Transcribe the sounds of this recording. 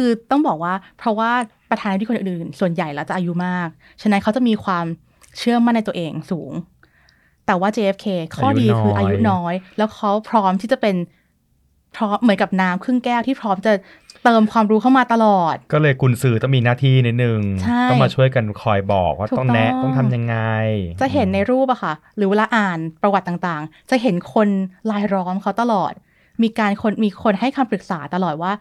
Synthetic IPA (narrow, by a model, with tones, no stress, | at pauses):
kʰɯː˧t̪ɔ˥˩ŋbɔː˨˩k̚waː˥˩pʰɾɔ˦˥waː˥˩pɾa˧t̪ʰaː˧nʰ˧˥i˥˧o˧nʔʔɯ˨ɯː˨˩nsu˨˩ənja˨˩jlɛː˦˥wt͡ɕa˨ʔaː˧ju˦˥maː˥˩k̚ | t͡ɕʰa˦˥na˦˥nkʰa˦˥wt͡ɕa˨˩miː˧kʰwaː˧m | t͡ɕʰɯ˥˩əma˥˩nː˧jt̪u˧ʔeː˧ŋsuː˩˦ŋ | t̪ɛː˨˩waː˥˩t͡ɕeː˧ʔe˦˥p̚kʰeː˧kʰɔː˥˩diː˧kʰɯː˧˦ʔaː˧juu˦˥nɔː˦˥jlɛː˦˥wkʰa˦˥wpʰɾɔː˦˥mt̪ʰiː˥˩t͡ɕa˨˩pe˧n | pʰɾɔː˦˥mːɯ˩˦nka˨˩p̚naː˦˥mkʰɯ˥˩ŋkɛː˥˩wt̪ʰiː˥˩pʰɾɔː˦˥mt͡ɕa˨˩ | t̪ɤː˧mkʰwaː˧mɾuː˦˥kʰa˥˩wmaː˧t̪a˧lɔː˨˩t̪̚kɔː˥˩lɤː˧jkʰu˧nsɯː˨˩t̪ɔ˥˩ŋmiː˧naː˥˩t̪ʰiː˥˩ni˦˥t̪̚nɯ˨˩ŋt͡ɕʰa˥˩ɔ˥jmaː˧t͡ɕʰu˥˩əjka˧nkʰɔ˧jbɔ̰ː˨˩k̚waː˥˩˨ɔ˥˩ŋnɛ˦˥ʔt̪ɔ˥˩ŋt̪ʰa˧mja˧ŋːa˧jt͡ɕa˨˩ʔɦe˩˦nːa˧jɾuː˥˩p̚ʔa˨˩kʰa˥˩ɾɯː˨˦we˧laː˧ʔaː˨˩npɾa˧wa˨˩t̪̚ːaː˨˩ŋt̪aː˨˩ŋt͡ɕa˨˩ɦe˩˦nkʰo˧nlaː˧jɾɔː˦˥mkʰa˦˥wt̪a˧lɔː˨˩t̪̚ | miː˧kaː˧nkʰo˧nmiː˧kʰo˧nɦa˥˩jkʰaː˧mpɾɯ˨˩k̚saː˩˦t̪a˧lɔː˨˩t̪̚waː˥˩